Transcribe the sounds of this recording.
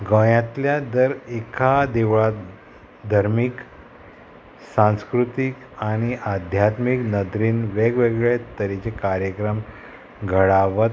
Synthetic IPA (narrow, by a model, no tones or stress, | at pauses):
ɡə̃jãt̪ljad̪əɾekʰad̪iʋɭat̪ | d̪ʱəɾmik | sãñskɾut̪ik | aɽ̃iʔad̪ʱjat̪miknəd̪ɾinʋeɡʋeɡɭet̪əɾit͡sekaɾjəkɾəm | ɡʱəɭaʋət̪